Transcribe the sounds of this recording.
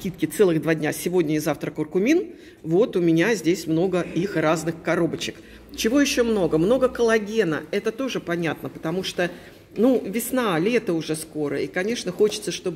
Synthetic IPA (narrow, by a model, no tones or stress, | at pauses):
kʲit̪̚kʲɪt̪sɛlˠɨɣd̪vadʲnʲasʲɪvo̞dʲnʲəɪzaft̪ɾəkʊrkʊmʲin | vo̞t̪ʊmʲɪnʲazʲdʲesʲmno̞ɡəixraznɨxkɐɾo̞bət͡ɕɪ̥k | t͡ɕɪvo̞jɪɕːo̞mno̞ɡəmno̞ɡəkəlˠɐɡʲe̞nəɛt̪ət̪o̞ʐɨpɐnʲat̪nəpə̥t̪ɐmuʂt̪o | nuvʲɪsnalʲe̞t̪əʊʐɛsko̞ɾə̰ikɐnʲe̞ʂnəxo̞t͡ɕɪ̥t̪səʂt̪o̞b